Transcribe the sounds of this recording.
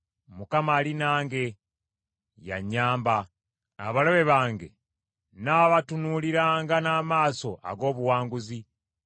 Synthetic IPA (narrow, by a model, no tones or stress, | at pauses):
mukamaːlinaːŋɡe̞ | ja̰ɲːaːmba | a̰βalo̞βe̞βaːŋɡe̞̰ | naːβatunuliɾaːŋɡanaːmaːso̞ʔa̰ɡo̞ːβuwaːŋɡuzi